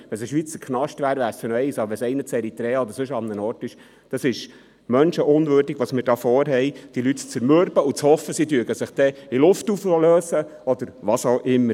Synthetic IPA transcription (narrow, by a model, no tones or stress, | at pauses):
ʋɛnsəʃʋit͡səkʰnɑʃtʋæːɾʋæɾsənɔɛɪsɑbəɾʋɛsɛɪnət͡sɛɾit̪ɾɛːɑɔd̪əɾsɵʃɑnːənɔːrtɪʃ | d̥ɑsɪʃ | mœnʃəʔʊnʋøːɾdɪɡʋɑsmɪɾdɑːfɔːɾɦɛjd̥ilytt͡səɾmøɾbəut͡shɔfːəsidyəɡəsɪχd̥ɛilʊftufløːsə | ɔd̪əɾʋɑsɑʊʔɪmːəɾ